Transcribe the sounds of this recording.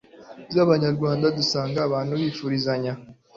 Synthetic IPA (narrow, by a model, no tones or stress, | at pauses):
jaβaɲaɾɡwaːndadusaːŋɡaːβaːn̥huβiːfuɾizaɲa